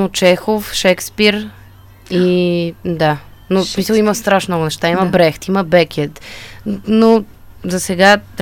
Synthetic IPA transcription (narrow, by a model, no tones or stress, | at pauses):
not͡ʃɛxofʃɛkspiɾ | i | d̪a | nosmisəlˠimɐst̪ɾaʃmnɔɡʊnɛʃt̪aimɐbɾɛxt̪iməbɛkʰʲɛt̪ | no | zɐsɛɡa